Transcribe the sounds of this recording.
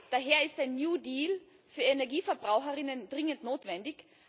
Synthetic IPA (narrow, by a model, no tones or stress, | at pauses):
d̥aɦeːɐɪstaɪnːjuːdiːl | fyːɐenɛɐɡiːfɛɐbʁaʊxəʁɪnəndʁɪŋəntnoːtv̥ɛndɪç